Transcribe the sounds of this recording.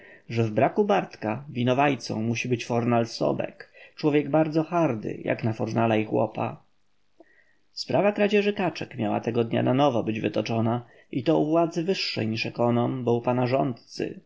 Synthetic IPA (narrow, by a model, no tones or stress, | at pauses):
ʐɛvbɾakubaɾt̪kavʲinɔvajt̪sɔ̰̃w̃muɕibɘt͡ɕfɔɾnalsɔ̰bɛ̰kt͡ʂwɔvʲjɛɡbaɾd̪zɔxaɾd̪ɘ̰ja̰knafɔɾnalaixwɔ̰pa̰ | spɾʔavakɾad͡ʑɛʐɘkat͡ʂɛkmʲjawa̰t̪ɛɡɔd̪ɲa̰nanɔvɔbɘd͡ʑvɘt̪ɔt͡ʂɔna | ʔit̪ɔuvwad̪zɘvɘʂːɛ̰jɲiʂɛkɔnɔmbɔwpanaʐɔnt̪̚t̪sɘ̰